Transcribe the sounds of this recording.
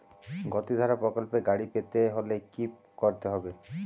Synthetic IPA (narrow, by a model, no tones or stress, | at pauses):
ɡɔt̪id̪ʱaɾapɾɔkɔlpeɡaɽipet̪eɦolekip | kɔɾt̪eɦɔbe